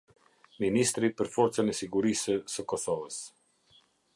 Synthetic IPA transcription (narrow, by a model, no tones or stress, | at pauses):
minist̪ɾipəɾfɔɾt͡sənɛsiɡuɾisəsəkɔsɔvəs